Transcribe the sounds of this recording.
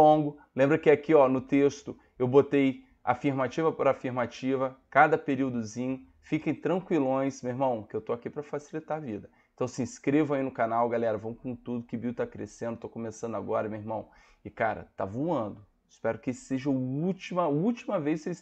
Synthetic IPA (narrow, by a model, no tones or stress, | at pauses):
õɡʊ | lẽmbɾɐkɪakiɔnʊt̪est̪ʊ | ewbot̪ej | a̰fiɾmat͡ʃivɐpɾaːfiɾmat͡ʃivɐkad̪ɐpeɾiwd̪ʊzĩɲʊ | fikẽj̃t̪ɾɐ̃ŋkwilõj̃smewiɾmɐ̃w̃kɪewt̪oakipɾɐfasilit̪aɾɐvid̪ɐeẽt̪ɐ̃w̃sĩskɾevɐ̃ainʊkanawɡalɛɾɐvɐ̃w̃kõt̪ud̪ʊkɪbit̪akɾḛsẽd̪ʊt̪okõmesɐ̃nd̪aɡɔɾɐmewiɾmɐ̃w̃ | ɪkaɾɐ̰t̪a̰voɐ̃nd̪ʊ | ɪspɛɾʊkɪseʒɐʊut͡ʃimɐut͡ʃimɐvejskes